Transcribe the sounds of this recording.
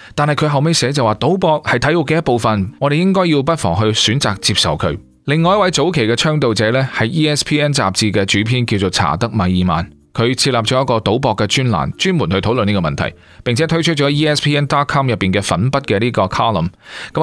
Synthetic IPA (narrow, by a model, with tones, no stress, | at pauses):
t̪aː˨nhɐ˨jkʰɵ˨˧ɥɦɐ˨wme˨˧jsɛː˨˥t͡sɐ˨waː˨t̪o˨˥wpɔː˧k̚hɐ˨˩jt̪ʰɐ˨˥jo˨˧wkɛː˧jɐ˥t̚po˨wfɐ˨nŋɔ˨˧ɾe˨jɪ˥ŋkɔː˥ji˧wpɐ˥t̚fɔ̰ː˨˩ŋɦɵ˧ɥsyː˨˥nt͡saː˨k̚t͡si˧p̚sɐ˨˩wkʰɵ̰˨˧˥ɥ | lɪ˨ŋːɔː˨jɐ˥t̚wɐ˨˥jt͡so˨˥wkʰe˨˩jkɛː˧t͡ʃʰœː˥ŋt̪o˨wt͡sɛː˨˥lɛː˥hɐ˨jiː˥ɛː˥spʰiː˥ɛː˥nt͡sa̰ː˨p̚t͡siː˧kɛː˧t͡ʃyː˨˥pʰiː˥nkiː˧wt͡so˨wt͡sʰa̰ː˨˩t̪ɐ˥k̚ma˨˩jiː˨ma̰ː˨n | kʰɵ˨˧ɥt͡sʰiː˧t̚laː˨p̚t͡ʃɔː˨˥jɐ˥kɔː˧t̪o˨˥wpɔː˧kːɛː˧t͡ʃyː˥nla̰ː˨˩nt͡ʃyː˥nmuː˨˩nhɵ˧ɥt̪ʰwlə˨niː˥kɔ˧mɐ˨nt̪ʰɐ̰˨˩j | pɪ˨ŋt͡sʰɛː˨˦t̪ʰt͡ʃʰɵ˥t̚t͡ʃɔː˨˥jiː˥ɛ˥spʰiː˥ɛː˥nt̪ɔː˥t̚kʰɔː˥mjɐ˨pːiː˨nkɛː˧fɐ˨˥npɐ˥t̚kɛː˧niː˥kɔː˧kʰaː˥lɐ̰˨˩mkɐ˨˥